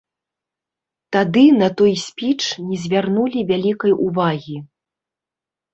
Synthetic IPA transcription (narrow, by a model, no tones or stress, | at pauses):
t̪ad̪ɨnɐt̪ɔjsʲpʲit͡ʂnʲɛzʲvʲarnulʲivʲalʲikɐjuvaɣʲi